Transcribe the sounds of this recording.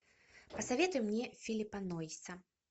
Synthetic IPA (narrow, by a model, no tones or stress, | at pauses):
pɐsavʲet̪ʊjumnʲɛfʲilʲipɐnɔisɐ